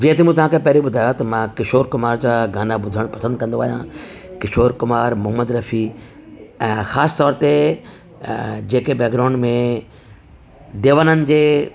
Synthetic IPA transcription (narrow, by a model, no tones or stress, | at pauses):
d͡ʑɐɦɪ̃t̪emũːt̪ɐʋ̤ãːkʰepɐɦɾiɓʊd̪ʱaːjoat̪ɐmãkɪʃoːɾkʊmaːɾd͡ʑãɡaːnaɓʊd̪ʱəɽ̃pɐsə̃nd̪̚kɐ̃n̆d̪oaːɦjãkɪʃoːɾkʊmaːɾmʊɦəməd̪ɾɐfʰiː | ɛ̃ːxaːst̪ɔːɾt̪e | d͡ʑeːkebɛːkɾaːʊ̃ɳɖmẽ | d̪eːʋənənɪ̆d͡ʑeː